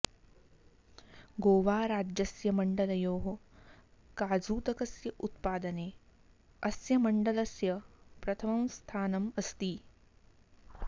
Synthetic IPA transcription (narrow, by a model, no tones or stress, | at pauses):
ɡoːʋaːɾaːd͡ʒjɐsjɐmɐɳɖɐlɐjoːɦɐ | kaːd͡zuːt̪ɐkɐsjɐʔut̪̚paːd̪ɐneː | ɐsjɐmɐɳɖɐlɐsjɐpɾɐt̪ʰɐmɐmst̪ʰaːnɐmɐst̪iː